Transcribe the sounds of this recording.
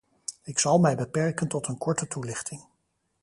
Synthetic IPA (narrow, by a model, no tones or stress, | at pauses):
ɪksɑlˠmɛjbəpɛɹkəntɔtənkɔɹtətulɪχtɪŋ